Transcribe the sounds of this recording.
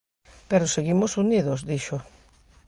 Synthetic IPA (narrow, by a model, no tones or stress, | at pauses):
peɾʊseɣimʊsuniðʊzðiʃʊ